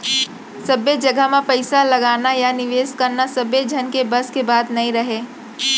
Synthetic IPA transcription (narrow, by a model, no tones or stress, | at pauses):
sɐbed͡ʒɐɡəɦmẽpɐɪsalɐɡaːnajanɪʋeːskɐɾnasɐbed͡ʒʱɐnkebɐskebaːd̪nɐĩɾɐɦeː